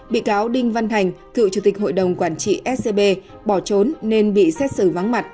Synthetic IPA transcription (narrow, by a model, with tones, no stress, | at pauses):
ɓḭ˧˨kaː˨˦wɗï˧ŋ̟va˧nt̪ʰa˨˩jŋ̟t̪ʰɨ̰˧˨wt͡ɕu˧˩t̪i˨˩k̟̚ho̰˧˨jɗə˨˩wŋ͡mkwaː˧˩nt͡ɕḭ˧˨ʔɛ˦˥t̚se˧ɓe˧ | ɓɔ˧˩t͡ɕo˨˦nːe˧nɓḭ˧˨sɛ˦˥t̚sɨ˧˩va˨˦ŋma˨˩t̚